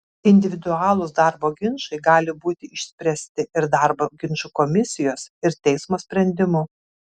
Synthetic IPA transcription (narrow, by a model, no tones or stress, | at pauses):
ɪnʲd̪ʲɪʋʲɪd̪ʊɑːlˠʊsd̪ɑˑɾboːɡʲɪnʃɐɪɡɑːlʲɪbuːt̪ʲɪɪʃʲsʲpʲɾʲɛsʲt̪ʲɪʔɪɾd̪ɑɾboːɡʲɪnʃukɔmʲɪsʲɪjoːsɪɾt̪ʲɛɪsmoːsʲpʲɾʲɛnʲd̪ʲɪmʊ